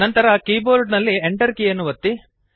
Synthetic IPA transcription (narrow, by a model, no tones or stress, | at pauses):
nɐnt̪ɐɾɐkiːboːɾɖnɐlːieɳʈɐɾkiːjɐnːuʋɐt̪ːi